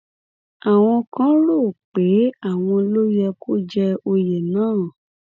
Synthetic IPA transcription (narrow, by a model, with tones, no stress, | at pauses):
a˨w̃ɔ̃˧kã˦ɾo˦˨k͡pe˨˦a˦˨w̃ɔ̃˧lo˦jɛ˧ko˦d͡ʒɛ˧o˧jɛ˨nãː˦˨